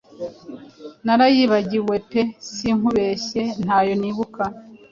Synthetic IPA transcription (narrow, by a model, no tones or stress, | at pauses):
naɾajiβaɟiwe̞pesiŋuβe̞ɕe̞n̥haːjo̞niːβuka